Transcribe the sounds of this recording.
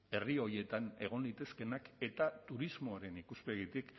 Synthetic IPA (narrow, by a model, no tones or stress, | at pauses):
e̞rio̞ɾie̞t̪ane̞̰ɣ̞o̞nlit̪e̞ske̞nake̞t̪at̪uɾizmo̞aɾe̞nikuspeɣit̪ik